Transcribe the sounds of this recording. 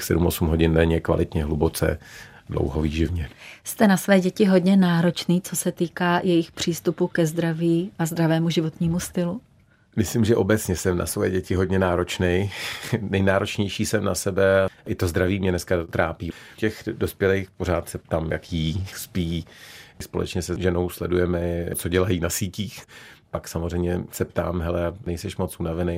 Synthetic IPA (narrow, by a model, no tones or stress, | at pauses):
xsɛdumo̞sumɦo̞ɟɪnːɛɲɛkva̰lɪt̪ɲɛɦlubo̞t͡sɛ̰ | dlo̰wɦoviːʒɪvɲɛst̪ɛnasvɛːɟɛcɪɦo̞dɲɛnaːɾo̞t͡ʃniːt͡so̞sɛt̪iːkaːjɛjɪxpr̝̥iːst̪upukɛzd̪ɾaviːʔazd̪ɾavɛːmuʒɪvo̞t̪ɲiːmust̪ɪlu | mɪslimʒɛʔo̞bɛt͡sɲɛsɛmna̰svojɛ̰ɟɛcɪɦo̞d̚ɲɛnaːɾo̞t͡ʃnɛjnɛjnaːɾo̞t͡ʃɲɛjʃiːsɛmnasɛbɛaʔɪt̪ozd̪ɾaviːmɲɛnɛskat̪ɾaːpiːcɛxdo̞spjɛlejxpo̞ɾ̝aːt̪sɛp̚t̪aːmjakjiːspiːspo̞lɛ̰t͡ʃɲɛsɛʒɛno̞wslɛdujɛmɛt͡so̞ɟɛlajiːnasiːciːxpaksamorɛjmɲɛsɛpt̪a̰ːmɦɛlɛanɛjsɛʃmot͡sʔuːnavɛnej